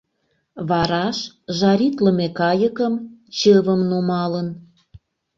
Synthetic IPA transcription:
βɑɾɑʃ | ʒɑɾʲit̪lə̆mekɑjəkəmt͡ɕɤβəmnumɑlən

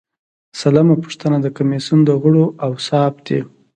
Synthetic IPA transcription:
salamapu̥ʂt̪ənad̪əkamesund̪əɣʊɽoʔawsɑbd̪ḛ

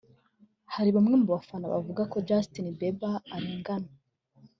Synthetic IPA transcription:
haɾiβamŋemuβafanaβa̰vuɡako̞d͡ʒastinibebaːɾiːŋɡana

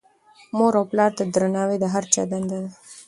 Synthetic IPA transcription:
moɾawplɑːɾt̪ad̪ɾənɑːwed̪əɦaɾt͡ʃa̰d̪and̪ad̪a

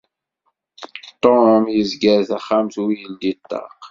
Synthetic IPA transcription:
t̪ˤːoəmjəzɡæɾθaχːamθwijənd̪it̪ːɑ̰q

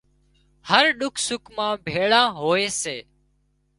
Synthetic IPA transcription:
həɾɗʊkʰsʊkmãːbʱeːɭãːɦoːeːseː

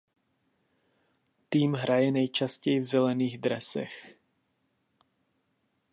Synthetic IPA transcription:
t̪iːmɦɾajɛnɛjt͡ʃascɛjɪvzɛlɛniːɣd̪ɾɛsɛ̰x

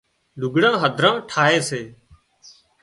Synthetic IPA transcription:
lʊɡɽãːɦəd̪ʱɾãːʈʰaːɦeːseː

